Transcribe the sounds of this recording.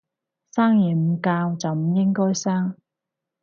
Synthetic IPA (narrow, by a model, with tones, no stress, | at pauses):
saː˥ŋjiː˨˩m̩˨˧kaː˧wt͡sɐ˨wm̩˨˩jɪ˥ŋkɔː˥jsaː˥ŋ